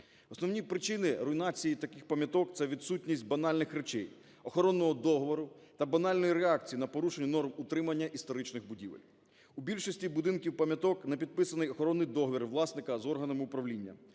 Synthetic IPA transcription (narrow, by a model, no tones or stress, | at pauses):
ɔsnɔwnʲipɾɪt͡ʃɪnɪɾɔinɑt͡sʲijit̪ɐkɪxpɐmʲjɐt̪ɔkt̪sɛʋʲid̪t̪sutʲnʲisʲt̚ʲbɐnɑlʲnɪxɾet͡ʃɛj | ɔxɔɾɔnːɔɦɔd̪ɔɦɔʋɔɾʊt̪ɐbɐnɑlʲnɔjiɾeɑk̚t͡sʲijinɐpɔɾuʃenʲːɐnɔrmʊt̪ɾɪmɐnʲːɐʔist̪ɔɾɪt͡ʃnɪxbʊdʲiʋḛlʲ | ubʲilʲʃɔsʲtʲibʊd̪ɪnkʲiwpɐmʲjɐt̪ɔknɐpʲid̪̚pɪsɐnɪjɔxɔɾɔnːɪjd̪ɔɦɔʋʲirʋlˠɑsnɪkɐzɔrɦɐnɐmɪʊpɾɐʋlʲinʲːɐ̰